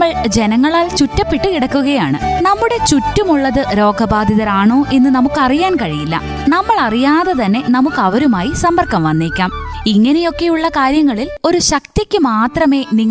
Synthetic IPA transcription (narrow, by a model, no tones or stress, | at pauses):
ɐɭd͡ʑe̞nɐŋːɐɭaːlt͡ɕutːɐpːiʈːɨkiɽɐkːuɣɐjaːɳɨ̰nɐmːuɽe̞t͡ɕutːumuɭːɐðɨɾo̞ːɡʱɐbaːd̪ʱiðɐɾaːɳo̞ːʔe̞nːɨnɐmukːɨɐrijaːnkɐɻijilːɐ̰ | nɐmːɐɭɐrijaːðɐt̪ɐnːe̞nɐmukːɐʋɐɾumaːjisɐmbɐrkːɐmʋɐnːiːkʲːaːmiŋːɐne̞jo̞kːe̞juɭːɐkaːɾjɐŋːɐɭilo̞ɾuɕɐkt̪jɐkʲːɨmaːt̪rɐme̞ːniŋː